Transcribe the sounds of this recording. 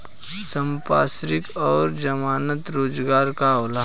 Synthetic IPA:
səmpaːsɾɪkɔːɾd͡ʒɐmaːnət̪ɾoːd͡ʒɡaːɾkala

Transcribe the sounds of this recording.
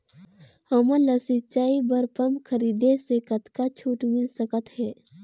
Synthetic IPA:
həmə̃ləsɪt͡ʃaːibəɾpəmkʰəɾiːd̪esekət̪kat͡ʃʰuːʈmɪlsəkət̪ɦɛː

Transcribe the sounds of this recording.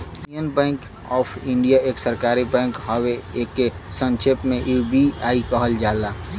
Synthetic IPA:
ənbɛ̃ːŋk | ɔːpʰɪ̃ɳɖijaeːksəɾkaːɾibɛ̃ːŋkɦɔweekːesə̃nʃepmẽʔubiaːikəɦəld͡ʒaːlaː

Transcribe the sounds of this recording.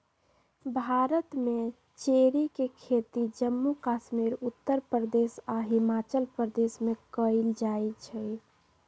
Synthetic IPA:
bʱaɾət̪me | t͡ʃeɾikekʰet̪id͡ʒəmːukaʃmiɾut̪ːəɾpɾəd̪esaɦimat͡ʃəlpɾəd̪esmekəld͡ʒajt͡ʃʰɛ

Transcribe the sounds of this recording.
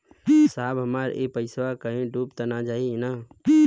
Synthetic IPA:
saːbɦəmaːɾḛːpəɪsʋakəɦẽɖuːpt̪ənad͡ʒaːinaː

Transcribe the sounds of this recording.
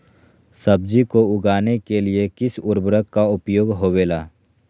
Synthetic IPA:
sɐb̚d͡ʒikoʊɡaːnekeliekɪsʊɾbɾəkkaʊpjoːɡɦoːʋeːlaː

